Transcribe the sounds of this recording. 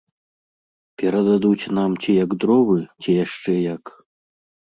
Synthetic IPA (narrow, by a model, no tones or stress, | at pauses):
pʲɛɾɐd̪ad̪ut͡sʲnamt͡sʲijɐɡd̪ɾɔβɨt͡sʲijaʂt͡ʂɛjɐk